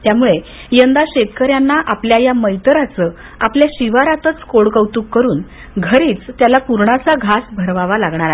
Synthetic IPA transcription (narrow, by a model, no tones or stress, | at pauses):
t̪jamuɭe | jənd̪aɕet̪əkəɾjanːaʔapljajaməjt̪ɾat͡səː | apljaɕiʋaɾat̪ət͡skoɽkəwt̪uːkːəɾuːn | ɡʱəɾiːt͡st̪jalapuɾɳat͡saɡʱasbʱəɾʋaʋalaɡɳ̃aɾa